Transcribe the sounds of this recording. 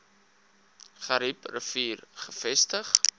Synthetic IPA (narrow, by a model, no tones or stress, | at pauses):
χɐɾiprəfiːrχəfɛstəχ